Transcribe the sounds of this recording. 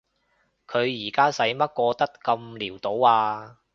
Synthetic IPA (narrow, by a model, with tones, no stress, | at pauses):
kʰɵ˨˧ɥjiː˨˩kaː˥sɐ˨˥jmɐ˥t̚kɔː˧t̪ɐ˥tkɐ˧mliː˨˩wt̪o˨˥waː˧